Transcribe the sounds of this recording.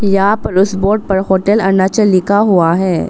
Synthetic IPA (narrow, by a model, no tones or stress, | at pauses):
jɐɦãpɐɾʊsboːɾɖ̚pɐɾɦoːʈɛlɐnat͡ʃəlːɪkaɦuaɦɛː